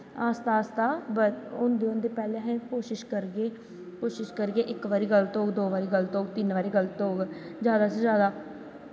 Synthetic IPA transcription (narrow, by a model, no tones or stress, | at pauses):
aːst̪aːst̪aːbəʊnd̪eːʊ̃nd̪eːpɛːlẽːɦɛ̃ːkoːʃɪʃkəɾɡeː | koːʃɪʃkəɾɡeːʔɪkʋaːɾiːɡəlt̪oːɡd̪oːʋaːɾiːɡəlt̪oːɡt̪ɪnʋaːɾiːɡəlt̪ooːɡzjaːd̪aːsed͡ʒjaːd̪aː